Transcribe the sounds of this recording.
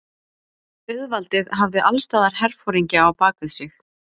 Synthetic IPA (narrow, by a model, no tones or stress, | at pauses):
ʏðvalt̪ɪðɦavðɪʔalst̪aːðaɾ̥hɛɾfɔɾiɲcɪawpaːkaðsɪx